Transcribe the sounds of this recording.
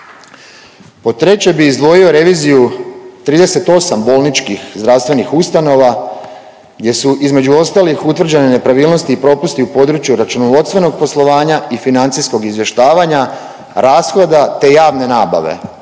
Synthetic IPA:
po̞t̪ɾe̞t͡ɕe̞biːzd̪ʋo̞jio̞ɾe̞ʋiːzijut̪ɾiːd̪e̞se̞t̪o̞sambo̞lˠnit͡ʃkixzd̪ɾawst̪ʋe̞nixust̪ano̞ʋa | ɡdje̞suʔizme̞d͡ʑuo̞st̪aːlixut̪ʋr̩d͡ʑe̞nene̞pɾaʋiːlˠno̞st̪iːpɾo̞pust̪iupo̞ːd̪ɾut͡ʃjuɾat͡ʃunoʋo̞t̪st̪ʋe̞no̞ɡ̚po̞slˠo̞ʋaːɲaifinant̪sisko̞ɡizʋje̞ʃt̪aːʋaɲa | ɾaːsxlod̪at̪e̞jaːʋne̞naːba̰ʋe̞̰

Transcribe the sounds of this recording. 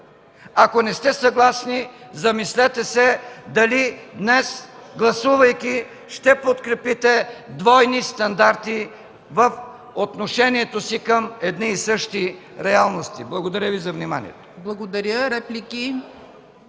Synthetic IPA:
ɐkonɛst̪ɛsɐɡlˠasnizɐmislɛt̪ɛsɛd̪ɐlid̪nɛsɡlˠɐsuvɐjkʲi | ʃt̪ɛpot̪kɾɛpit̪ɛd̪vɔjnist̪ɐnd̪aɾt̪i | vəf | ot̪noʃɛniɛt̪osikəmɛd̪niːsɤʃt̪iɾɛalˠnost̪iblˠɐɡod̪ɐɾʲjəvizɐvnima̰nḭɛ̰t̪o̥blˠɐɡod̪ɐɾʲəɾɛplʲiki

